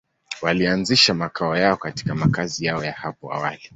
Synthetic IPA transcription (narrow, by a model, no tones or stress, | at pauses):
walianziʃamakʰaɔjaɔkati̥kamakazijaɔjahapɔa̰wali